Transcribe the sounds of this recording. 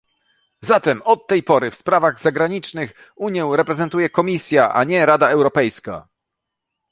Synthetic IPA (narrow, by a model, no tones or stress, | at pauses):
zat̪ɛmɔt̪ːɛjpɔɾɘfspɾavaɣzaɡɾaɲit͡ʂnɘx | uɲjɛ̃w̃ɾɛpɾɛzɛnt̪ujɛkɔmʲisʲjaʔaɲɛɾad̪aɛwɾɔpɛjska̰